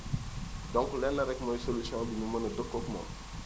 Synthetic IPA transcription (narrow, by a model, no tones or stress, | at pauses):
dɔ̃ŋkulɛnːɐɾɛkmɔjsolysjɔ̃biɲumɐnɐdokːokumɔ̰